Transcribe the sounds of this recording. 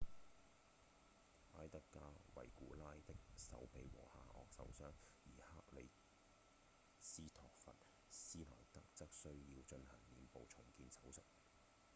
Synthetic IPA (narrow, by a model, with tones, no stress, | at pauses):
ʔaː˥jt̪ɐ˥kːaː˥wɐ̰˨˩jkuː˨˥laː˥jt̪ɪ˥k̚sɐ̰˨˥wpe˨˧jwɔ̰ː˨˩haː˧ʔɔ̰ː˨k̚sɐ̰˨˥wsœː˥ŋjiː˨˩haː˥k̚lḛ˨˧j | siː˥t̪ʰɔː˨k̚fɐ̰˨t̚ | siː˥lɔ̰ː˨˩jt̪ɐ˥k̚t͡sɐ˥k̚sɵ˥ɥjiː˧wt͡ʃɵ˧nhɐ˨˩ŋniː˨˧npo˨˧wt͡ʃʰʊ˨˩ŋkiː˧nsɐ˨˥wsɐ˨˩t̚